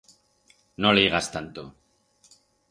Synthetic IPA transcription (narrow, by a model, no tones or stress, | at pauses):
noleiɣast̪ant̪o